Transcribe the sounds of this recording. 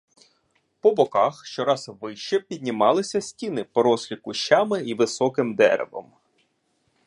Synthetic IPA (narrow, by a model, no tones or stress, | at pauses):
pɔbɔkɑxʃt͡ʃɔɾɑzʋɪʃt͡ʃɛpʲidʲnʲimɑlˠɪsʲɐsʲtʲinɪpɔɾɔslʲikʊʃt͡ʃamɪiʋɪsɔkɪmd̪ɛ̰ɾɛ̰ʋɔ̰m